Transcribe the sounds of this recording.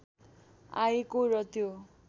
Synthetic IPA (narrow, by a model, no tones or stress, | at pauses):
a̰jekoɾʌt̪jo